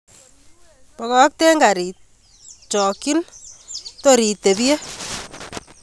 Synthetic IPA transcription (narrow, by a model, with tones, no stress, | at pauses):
pɔ˨kɔ˦k̚te˦ŋɡa˨ɾi˨t̪̚ | t͡ʃɔ˨ki˦n | to˦ɾi˨t̪e˨ði˦e˦